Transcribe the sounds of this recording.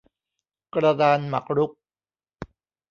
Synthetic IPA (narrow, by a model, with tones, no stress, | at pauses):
kɾa˧daː˧nma̰˨˩k̚ɾu˦˥k̚